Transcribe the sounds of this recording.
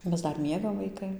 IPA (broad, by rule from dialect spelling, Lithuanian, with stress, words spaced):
ˈmʲɛs ˈdɐr ˈmʲiɛɡɐm ʋɐɪˈkɐɪ